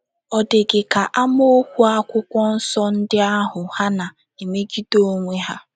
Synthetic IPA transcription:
ɔ˨dɪ˨ɡɪ˨ka˨ʔa˦mo˦kʷu˦a˦kʷʊ˦kʷɔ˦n̩˦sɔ˦n̩˦dɪ˦a˦ɦʊ˨ha˦na˨ | e˨me˦ɡi˦do˦o˦ŋʷe˦ɦa˦

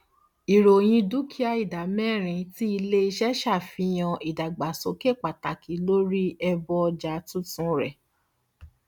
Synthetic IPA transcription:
i˨ɾo˨j̃ĩ˧du˨˦kʰi˦a˧i˨da˨mɛ̃˦˨ɾ̃ĩ˧ti˦i˧le˦i˧ʃɛ˦ʃa˦˨fĩ˧j̃ã˧i˨da˨ɡ͡ba˨so˨˦ke˦˨k͡pa˨ta˨ki˨˦lo˦ɾi˦ɛ˧bɔ˧d͡ʒa˨˦tũ˦tũ˨˦ɾɛ˨

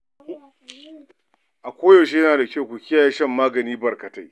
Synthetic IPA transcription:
ʔa˨kʷoː˦jo˨ʃ̬e˦jɐ˦naː˨da˨kʲa˦˨wkʷu˨kʲɪ˦ja˨jeː˦ʃɐ˦˨mːaː˦ɡɐ˨niː˦bɐ˨rkɐ˨ta˦j

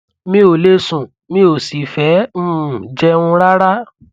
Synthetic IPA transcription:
mĩ˦o˨le˦sũ˨ | mĩ˦o˨si˨˦fɛ̃˨˦˨d͡ʒɛ˧ũ˧ɾa˦ɾa˦

